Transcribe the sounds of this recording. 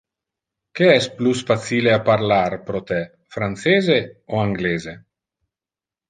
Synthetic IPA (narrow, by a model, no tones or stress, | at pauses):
keɛsplusfat̪siːleapaɾlaɾpɾot̪ɛ | fɾant̪seːzeoaŋɡleːze